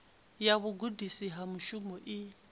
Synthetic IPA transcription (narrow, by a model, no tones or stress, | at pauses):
jaβʊɡudisiɦamuʃumɔʔi